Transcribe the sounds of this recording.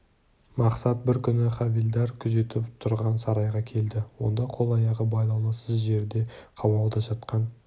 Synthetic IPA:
mɑqsɑt̪̚bɪɾkʲʰʏnɪχɑvild̪ɑɾkʲʰʏze̞t̪ɪpt̪ʰʊɾʁɑnsɑɾɑjʁɑkʲʰe̞ld̪ɪwo̞̰nd̪ɑqʰo̞lˠɑjɑʁəbɑjlˠɑwlˠəsəzʒe̞ɾd̪e̞qʰɑbɑlˠd̪ɑʒɑt̪qɑn

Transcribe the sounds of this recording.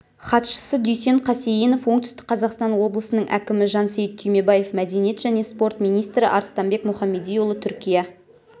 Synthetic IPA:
χɑt̪ʃə̥səd̪ʏjse̞ɴqʰɑsejino̞fwo̞ɴt̪ʏst̪ɪ̥k̚qʰɑzɑqst̪ɑnwo̞blˠəsənəɴʔæ̰kʲɪmɪʒɑnsejt̪̚t̪ʰyjme̞bɑje̞fmæd̪e̞nije̞t̪ʒ̥æne̞spo̞ɾt̪mijnijst̪ɾɪ̰ʔɑɾst̪ɑmbe̞kmʊχɑmːe̞d̪ijulˠət̪ʰʏɾkʲijɑ

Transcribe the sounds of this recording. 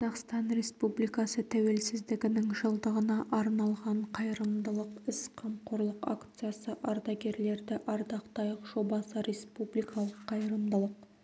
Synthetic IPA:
qɑzɑqst̪ɑnɾe̞spublijkɑsət̪ʰæwe̞lsɪzd̪ɪɡʲɪnɪŋʒəlˠd̪əʁənɑʔɑɾnɑlˠʁɑɴqʰɑjɾəmd̪əlˠəqɪsqʰɑmqʰoɾlˠəqa̰kt̪sɨjasəʔɑɾd̪ɑɡʲe̞ɾle̞ɾd̪ɪʔɑɾd̪ɑqt̪ɑjəqʒo̞bɑsəɾe̞spublijkɑlˠəqʰːɑjɾəmd̪əlˠəq̚

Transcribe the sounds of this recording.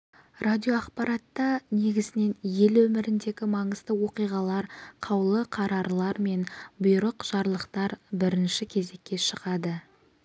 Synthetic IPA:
radʲio̞ɑqpɑɾɑt̪ːɑne̞ɡʲɪzɪne̞nje̞lwɵmɪɾɪnd̪e̞ɡʲɪmɑɴəz̥d̪əwo̞qijʁɑlˠɑɾqʰɑwlˠəqʰɑɾɑɾlˠɑɾme̞nbʊjɾəqʒ̥ɑɾlˠəqt̪ɑɾbɪɾɪnʃɪkʲʰe̞ze̞kʲːe̞ʃəʁɑd̪ə

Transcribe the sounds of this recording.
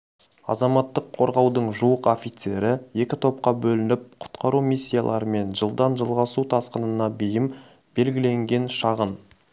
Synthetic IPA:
ɑ̰zɑmɑt̪ːəqʰo̞ɾʁɑwd̪əɴʒuwəqofʲit̪se̞ɾɪje̞kʲɪt̪ʰo̞p̚qɑbɵlɪnɪp̚qʰʊ̥t̪qɑɾumijsʲːijalˠʔɑ̰ɾəme̞nʒəlˠd̪ɑnʒəlˠʁɑsut̪ʰɑsqənənɑbejɪm | b̥e̞lɡʲɪle̞ŋɡʲe̞nʃɑʁən

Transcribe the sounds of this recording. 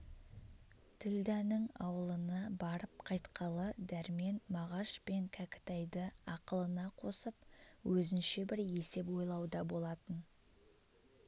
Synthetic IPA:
t̪ʰɪld̪ænɪŋɑ̰wəlˠənɑbɑɾəp̚qʰɑjt̪qʰɑlˠəd̪æɾme̞nmɑʁɑʃpe̞ŋkʲʰækʲɪ̥t̪æjd̪əɑqəlˠənɑqʰo̞səp̚wɵzɪnʃe̞bɪɾe̞se̞pwo̞jlˠɑwd̪ɑbo̞lˠɑt̪ən

